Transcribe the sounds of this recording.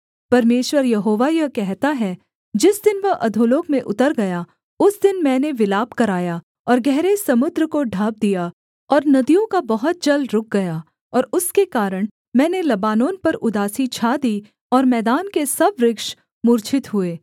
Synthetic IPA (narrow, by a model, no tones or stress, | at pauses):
pɐɾmeːʃwəɾjɐɦoːʋajɐɦkɛɦt̪aɦɛ | d͡ʒɪsd̪ɪnʋɐɦʔɐ̰d̪ʱoːloːkmẽʔʊt̪əɾɡɐja | ʊsd̪ɪnmɛ̃ːneʋɪlaːbkɐɾaːja | ɔːɾɡɛɦɾesɐmʊd̪ɾəkoɖʱaːb̚d̪ija | ɔːɾnɐd̪ijõkabɐɦʊt̪̚d͡ʒɐlɾʊk̚ɡɐjaː | ɔːɾʊskekaːɾəɽ̃ | mɛ̃ːnelɐbaːnoːnpɐɾʊd̪aːsit͡ʃʰaːd̪iː | ɔːɾmɛːd̪aːnkesɐbɾɪkʃ | mʊːɾt͡ʃʰɪt̪ɦʊeː